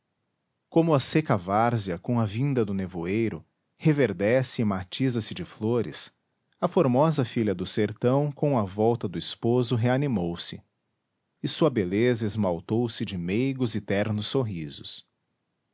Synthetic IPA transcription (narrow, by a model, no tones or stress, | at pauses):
kõmʊɐsekɐvaɾziɐkõɐvĩnd̪ɐd̪ʊnevuejɾʊ | heveɾd̪ɛsɪːmat͡ʃizɐsɪd͡ʒɪfloɾɪ̰s | ɐfoɾmɔzɐfiʎʲɐd̪ʊseɾt̪ɐ̃w̃kõɐvɔwt̪ɐd̪ʊispozʊɦeanimowsɪ | ɪsuɐbelezɐezmawt̪owsɪd͡ʒɪmejɡʊzɪt̪ɛɾnʊsːoɦizʊs